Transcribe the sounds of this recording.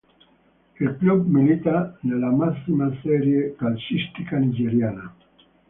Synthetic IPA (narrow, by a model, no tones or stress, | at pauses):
elklub̚milit̪anelamasimaseɾjekalʃist̪ikanid͡ʒeɾjana